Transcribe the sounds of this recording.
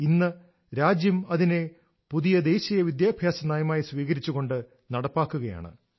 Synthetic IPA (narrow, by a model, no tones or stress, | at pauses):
inːɨ | ɾaːd͡ʑjɐmɐðine | puðijɐd̪e̞ːɕijɐʋid̪jaːbʱjaːsɐnaːjɐmaːjisʋiːɣɐɾit͡ɕːuɣo̞ɳɖɨ | nɐɽɐpːaːkːuɣɐja̰ːɳɨ̰